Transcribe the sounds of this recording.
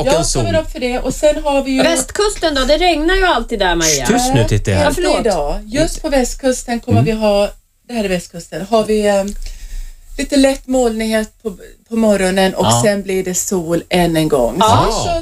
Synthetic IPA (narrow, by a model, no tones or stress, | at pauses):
jɑɔmɛɾɔfœɖɛʔɔsɛnːɦaɾvɪjvɛst̪kʰɵst̪ənd̪ɔd̪ɛɾɛŋnaɾjɵalt̪iːd̪æmasʉt̪ʰɪt̪ːɛɪd̪ɑːjɵst̪pʰɔvɛst̪̚kʰɵst̪ənkʰɔmːəvɪɦɑː | d̪ɛhæːɾɪvɛst̪kʰɵst̪ənɦaɾvɪ | liːt̪əlɛt̪ːmoːlnɪŋɦeːt̪̚pʰɔpʰɔmɔɾɔnənʔɔksɛnblɪɖɛsuːlɛnːɛnɡɔ̰ŋːsɔ